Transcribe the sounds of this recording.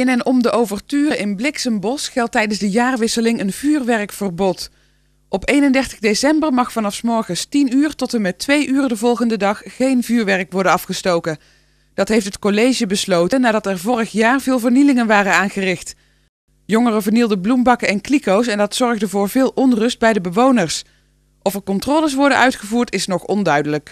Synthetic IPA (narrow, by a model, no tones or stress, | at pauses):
ɪnɛnɔmdəʔowvəɹtyːrəʔɪnblɪksəmbɔsχɛlˠtɛjdənzdəjaːrʋɪsəlɪŋənvyːrʋɛrəkfərbɔt | ʔɔpejnəndɛɹtəɣdesɛmbərmɑχfɑnɑfsmɔɹχənstinyːrtɔtəmɛtʋejʔyːrədəvɔlˠχəndədɑχːejnvyːɹʋɛɹkʋɔɹdəɑfχəstowkən | d̥ɑtɦejftɦətkolejʒəbəslowtənaːdɑtɛɹvɔrəχjaːɹvɪːlˠvəɹnilɪŋənʋaːrənaːnχərɪxt | jɔŋərəvəɹnilˠdəblumbɑkəɛnklikowsɛndɑtsɔɹɣdəvʊːɹvɪːlˠʔɔnrɵst̚bɛjdəbəʋownəɹs | ʔɔfəɹkɔntroːləs̬ʋɔɹdənʔœɥtχəvuːɹtɪsnɔχɔndœɥdələk